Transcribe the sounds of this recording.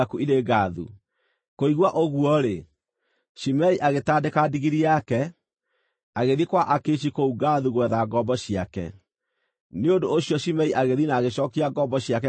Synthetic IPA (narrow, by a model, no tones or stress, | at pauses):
akuiɾeɡaðṵ | koiɣwaʔoɣwɔɾe | ʃimɛiʔaɣetaːdekadiɣiɾiakɛ | aɣeðikwaʔakeʃ̬ikouɡaðuɣwɛðaɡɔbɔɕiakɛ̰ | neondoːɕiɔɕimɛiʔaɣeðinaːɣeɕɔkiaɡɔbɔɕiak̬ɛ